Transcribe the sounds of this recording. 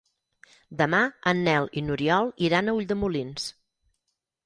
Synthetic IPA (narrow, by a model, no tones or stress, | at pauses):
d̪əmaənːɛlˠinuɾiɔlˠiɾanəuʎd̪əmulins